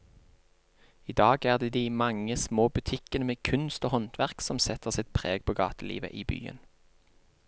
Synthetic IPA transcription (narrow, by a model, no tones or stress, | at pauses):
iːd̪ɑːɡæːʁd̪eːd̪iːmɑŋəsmoːbʉt̪ʰɪkənəmeːkʰʉnst̪oːhɔnt̪ʰʋæʁksɔmsɛt̪əʁsɪt̪̚pʰʁeːɡ̚pʰoːɡɑ̰ːt̪əlḭːʋə̰ʔiːby̰ːə̰n